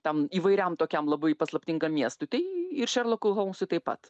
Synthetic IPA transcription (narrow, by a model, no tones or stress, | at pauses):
t̪ʲɛmiːʋɐɪɾʲɛmt̪oːkʲɛmlˠɐbɐɪpɐslˠɐpʲt̪ʲɪŋɡɐmmʲiɛst̪ʊɪt̪ɐɪɪɾʃʲɛɾlˠokʊɦɐʊmsʊt̪ɐɪpɐ̰t̪